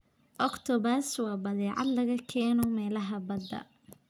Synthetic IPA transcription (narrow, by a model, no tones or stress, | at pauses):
ʔɔkt̪ʰɔbɐrswɑːbɐðɛːʕɑ̰d̪lɐɣɐkʰɛːnɔmɛːlɐɦɐbɐd̪ɐ̰